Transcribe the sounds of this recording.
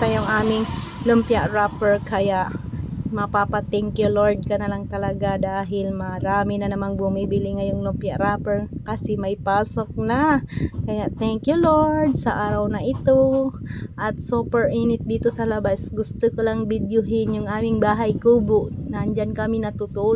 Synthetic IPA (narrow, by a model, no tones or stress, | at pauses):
t̪ɐjʊŋʔaːmɪŋ | lʊmpjaʔɾaːpɛɹkɐjaʔmɐpapɐt̪ɛŋkjʊloɹd̪̚kɐnɐlaŋt̪ɐlɐɡad̪aːɦɪlmɐɾaːmɪnɐnɐmanbʊmibɪlɪŋɐjoŋlʊmpjaʔɾaːpɛɹkɐsɛmɐjpaːsok̚nɐkɐjaʔt̪ɛŋkjʊloɹd̪̚sɐʔaːɾɐwnɐʔɪt̪o | ʔɐt̪̚suːpɛɹʔinɪt̪̚d̪iːt̪osɐlɐbasɡʊst̪okolaŋbɪd̪jʊɦɪnjʊŋʔaːmɪŋbaːɦɐjkuːbʊʔnɐʔɐnd͡ʒankɐmɪnɐt̪ʊt̪ʊʔ